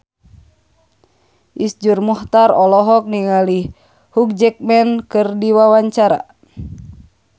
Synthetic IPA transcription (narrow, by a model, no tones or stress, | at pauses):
ʔisd͡ʒurmuht̪aɾɔlɔɦɔk̚niŋali | huk̚d͡ʒɛk̚mɛnkɨrdiwawaɲt͡ʃaɾa̰